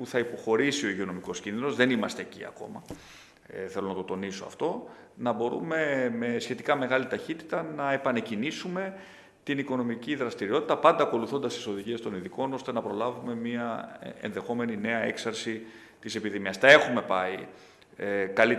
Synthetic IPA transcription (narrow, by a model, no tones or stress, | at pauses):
puθɐipo̞xo̞ɾisio̞iʝeo̞no̞miko̞scinðino̞zðe̞nimɐst̪eːcḭɐ̰ko̞̰mɐ | θe̞lo̞nɐt̪o̞t̪o̞niso̞ɐ̰ft̪o̞ | nɐbo̞ɾume̞me̞sçe̞t̪ikɐme̞ɣɐlit̪ɐçit̪i̥t̪ɐnɐe̞pɐne̞cinisume̞ | t̪iniko̞no̞miciðɾɐst̪iɾio̞t̪i̥t̪ɐpɐnd̪ɐːko̞luθo̞nd̪ɐst̪iso̞ðiʝie̞st̪o̞niðiko̞no̞st̪e̞nɐpɾo̞lɐvume̞miɐḛnðe̞xo̞me̞nine̞ɐe̞ksɐɾsi | t̪ise̞piðimiɐst̪ɐe̞xume̞pɐi | ekɐli